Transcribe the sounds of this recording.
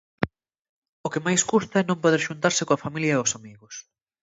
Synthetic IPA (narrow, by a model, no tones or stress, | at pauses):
okemajskust̪ɐɛnõmpoðeɾʃunt̪aɾsɪkoɐfamiljɐʊsamiɣʊs